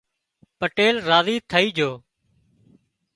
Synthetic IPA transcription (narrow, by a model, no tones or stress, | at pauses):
pəʈeːlɾaːziːt̪ʰəiːd͡ʒʱoː